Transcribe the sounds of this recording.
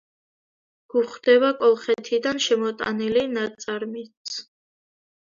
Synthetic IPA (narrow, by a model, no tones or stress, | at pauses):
ɡ̥uχd̪ɛbakʼɔlˠχɛt̪ʰid̪anʃɛmɔt̪ʼa̰nilinat̪sʼaɾmit̪s